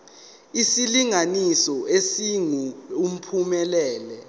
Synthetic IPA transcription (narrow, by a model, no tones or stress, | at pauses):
isiliŋanisɔesiŋuum̩pʰumɛlɛːlɛ